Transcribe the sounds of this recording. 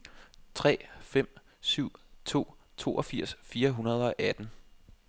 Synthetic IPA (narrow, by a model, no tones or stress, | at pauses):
t͡sʰʁɛ̰ːfem̰ | syʊ̰t͡sʰo̝̰ːt͡sʰo̝̰ːʔɒfiɐ̰sfiːɐɦunɐð̞ˠɒ̽ʔæd̥n̩